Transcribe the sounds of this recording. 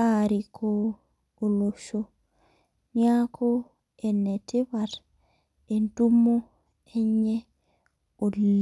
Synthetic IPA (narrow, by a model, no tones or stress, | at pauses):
aɾikʰɔː | loʃɔ | niakʰɔ | ɛnːɛtɛbaɾ | ɛndumːɔ | ɛɲːɛ | olː